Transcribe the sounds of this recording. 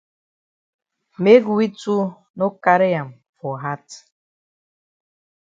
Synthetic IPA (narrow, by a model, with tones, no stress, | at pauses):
me˦ɡu˨wi˦tu˦ | no˦ka˦ɾe˦ja˨m | fɔ˨ɦa˦t